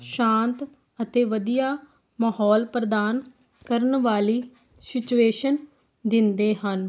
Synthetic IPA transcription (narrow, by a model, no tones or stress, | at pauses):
ʃãːnt̪ | ət̪eːʋəd̪ijaː | maːɦɔːlpɾəd̪aːn | kəɾənʋaːliː | sɪt͡ʃueːʃən | d̪ɪnd̪eːɦən